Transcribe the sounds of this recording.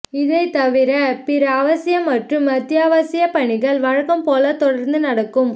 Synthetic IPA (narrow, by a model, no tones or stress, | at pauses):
ɪðɐɪt̪ɐʋɪɾɐpɪɾɐːʋɐɪjɐmːɐʈrɯmɐt̪ːjaːʋɐsɪjɐpːɐɳɪɣɐɭʋɐɻɐkːɐmpoːlɐt̪ɔɽɐɾnd̪ɯnɐɽɐkːɯm